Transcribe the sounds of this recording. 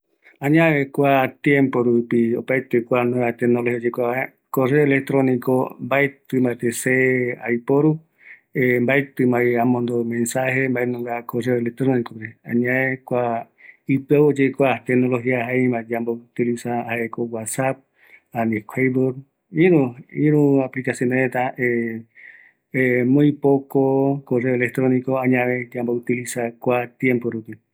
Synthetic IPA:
ãɲãekʷat̪jẽmpoɾupio̰pajt̪ekʷanõat̪enolohiod͡ʒekʷa | koreoelek̚t̪ɾoniko̰mbaet̪ɨmbaet̪esea̰jpoɾu | embaet̪ɨmajãmõnd̪omẽnsahembaenũŋɡakoreoelek̚t̪ɾonikopɾeãɲãekʷa | ɨpawod͡ʒejkʷat̪ekno̞loɦiaɦãmãd͡ʒambout̪ilisahaʔekowasap̚ | aniekʰʷajboɾ | iɾũiɾũaplikasjoneɾet̪ae | emõipokokore̞ole̞k̚t̪ɾoniko̞ãɲãʋed͡ʒambout̪ilisakʷat̪jẽmpoɾupi

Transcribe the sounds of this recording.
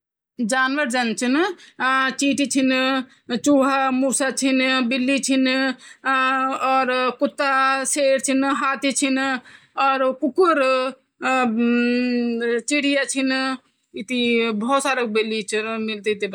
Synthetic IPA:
d͡ʒaːnʋəɾd͡ʒant͡ʃʰin | t͡ʃiʈit͡ʃʰin | t͡ʃuɦamusat͡ʃʰinbilːit͡ʃʰin | ɔːɾkut̪ːaseɾt͡ʃʰinɦat̪it͡ʃʰin | ɔːɾkukuɾ | t͡ʃiɽijat͡ʃʰin | it̪ibʱɔsaɾək̚bilːit͡ʃʰiɾmilt̪it̪i

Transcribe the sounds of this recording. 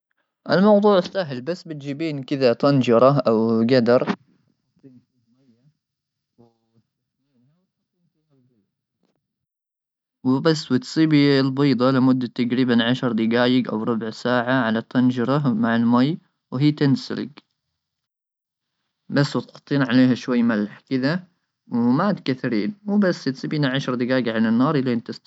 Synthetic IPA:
ʔɪlmɑwd̪ˤuːʕsaɦɪlbasːbɪt̪̚d͡ʒiːbiːnkɪðat̪ɑnd͡ʒɑɾˤɑʔawɡad̪ɑɾˤ | iːnfimajːa | w̪ | iːa | lbiːd̪ | wɪbasːwɪt̪sˤiːbilbiːd̪ˤɑlɪmʊd̪ːat̪aɡɾiːbanʕaʃɑɾˤd̪ɪɡaːjɪɡʔa̰wɾˤʊbʕsaːʕaʕalat̪anʒɑɾˤɑmaʕalmaj | wɦiːt̪ɪnsɪ̰lɪ̰ɡ | basːwɪt̪ɑ̥t̪ˤːiːnʕaleːɦaʃwajːmalħkɪða | wmat̪kaθaɾiːnwbasːt̪sˤiːbiːnaʕaʃɾˤd̪ɪɡaːjɪɡʕalanːɑːɾˤʔɪlːaʔɪnt̪ɪs

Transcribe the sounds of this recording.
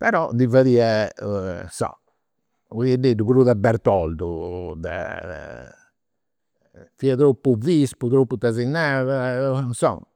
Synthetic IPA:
pɛɾɔd̪ivaðia | sɔ̰ | uiɛdeduβuɾuðabɛɾt̪ɔld̪ud̪ɛ̰ | fiat̪ɾopːuvisput̪ɾopːut̪azinːaðasɔ̰ŋ

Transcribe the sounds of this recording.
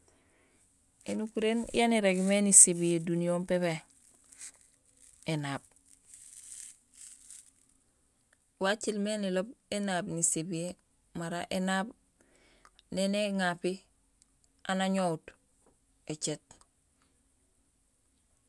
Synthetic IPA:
enukuɾen̰janiɾeɡmenisebijedunijompeβe | enaːb̚ | wat͡ʃilmenilobenaːbnisebije | maɾa̰ʔenaːb | neneŋapi | anaɲout | et͡ʃet̚

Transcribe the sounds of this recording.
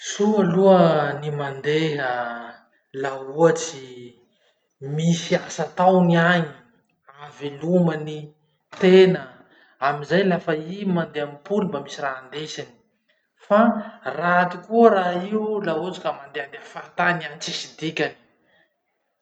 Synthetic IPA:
sualuənimand̪eɦa | lauat͡si | misiasat̪awniaɲi̥ | aveluməni | t̪enə | amizajlafəimand̪eamipulumbamisiraːnd̪esini̥ | farat̪ikuəɾaiulaut͡si̥kəmand̪eand̪eafat̪anianit͡sisid̪ikʲani̥

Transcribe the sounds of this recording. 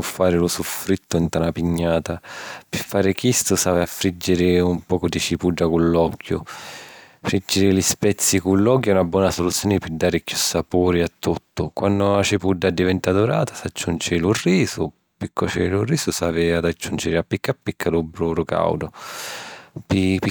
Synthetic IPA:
ufːaːɾɪlʊsufɾit̪ːʊint̪anapiɲːaːt̪apɪfːaːɾɪkist̪ʊsaːvɪafːɾid͡ʒːɪɾɪumpɔːkʊd̪it͡ʃipuɖːakulːɔkːjʊ | fɾid͡ʒːɪɾɪlispɛt̪sːikulːɔk̬jɛunabwɔːnasolut̪sjoːnɪpɪd̪aːɾɪkjusːapuːɾiat̪ːut̪ːʊkwanːʊat͡ʃipuɖːad̪ːivɛnt̪ad̪uɾaːt̪ḁsad͡ʒːund͡ʒɪlʊrːiːsʊ | pikːɔt͡ʃɛlʊrːiːsʊsaːvɪad̪ad͡ʒːund͡ʒɪɾɪapːikːapːikːalubɾuɾʊka̰wd̪ʊ | pip

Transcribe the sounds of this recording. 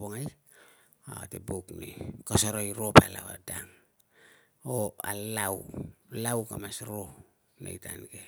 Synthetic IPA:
boŋaj | a̰teboknḛkasoɾojɾopa̰la̰wa̰daŋ | oalawlawkamasɾo | nḛjtanɡe

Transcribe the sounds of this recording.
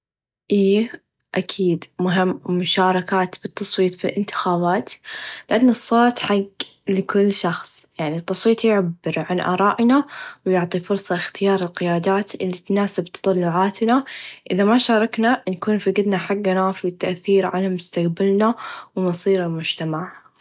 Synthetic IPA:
ʔiː | ʔakʰiːd̪mʊɦɪmːʊʃaːɾˤɑkaːt̪b̥ɨt̪ʰːɑsˤwiːt̪ˤfilʔɪ̰nt̪ɪ̥xaːβaːt̪lɪʔanːɨsˤːoːt̪ħaɡlɪkʊlːʃɑxsˤjaʕnit̪ːɑsˤwiːt̪ˤjʊʕabːɪɾʕanʔɑ̰ːɾˤɑːʔnawjʊʕt̪ˤifʊɾsˤɑxt̪ɪjɑːɾˤɪlqɪjaːd̪aːt̪ɪlːit̪naːsabt̪ɑ̥t̪ˤɑlːʊʕaːt̪naʔɪðamaʃɑːɾˤɑknankuːnfiɡɪd̪naħaɡːanaːfiɪt̪ːaʔθiːɾʕa̰lamʊst̪aqbalnawmɑsˤiːɾɪlmʊd͡ʒt̪amaʕ

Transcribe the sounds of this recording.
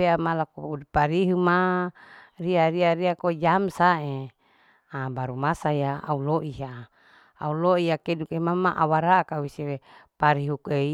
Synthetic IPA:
eamalakuudipaɾiɦuma | riaɾiaɾiakod͡ʒamsae | abaɾumasajaa̰uloʔiɦaː | uloijakedukemamːaʔa̰waɾakawisiɾepaɾiɦukei

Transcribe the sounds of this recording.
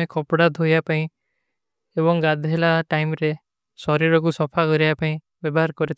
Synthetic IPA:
ẽkɔpɽad̪ʱojapaĩ | ebɔŋɡad̪ʱɦelaʈajmɾe | sɔɾiɾɔk̬usɔpʰakɔɾiapaĩ | bjɔbɔɦaɾkɔɾit̪

